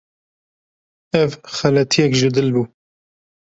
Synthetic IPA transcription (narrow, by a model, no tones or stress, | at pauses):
ɛvxɐlɛt̪ʰijɛkʒɪd̪ɨlbuː